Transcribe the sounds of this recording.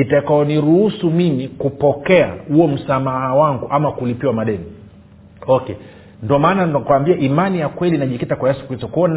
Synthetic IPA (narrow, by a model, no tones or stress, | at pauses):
itakaɔniɾuhusumimikupɔkɛa̰huɔm̩samahawaŋɡuʔamakulipiwamaɗɛni | ɔkɛ | ndɔmaːnakuwambiaʔimanijakwɛlinaʄikitakwajɛsu̥kitɔkɔn